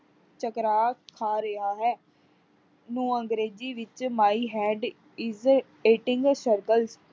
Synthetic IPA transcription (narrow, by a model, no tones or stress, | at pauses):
t͡ʃəkɾaːkʰaːɾəɦaːɦɛː | nũːəŋɡɾeːziːʋɪt͡ʃmaːiːɦɛːɖ | ɪz | eːʈɪ̃ŋɡsəɾkəls